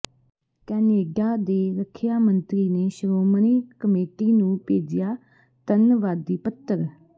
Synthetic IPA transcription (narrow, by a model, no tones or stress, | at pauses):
kɛːneːɖaːd̪eːɾəkʰːɪjaːmənt̪ɾiːneːʃəɾoːməniːkəmeːʈiːnũːpeːd͡ʒɪjaː | t̪ənʋaːd̪iːpət̪ːəɾ